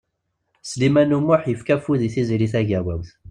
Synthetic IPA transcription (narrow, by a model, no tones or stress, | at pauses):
slimænumːʊħjəfkæfuðiθizɾiθæʝæwæwθ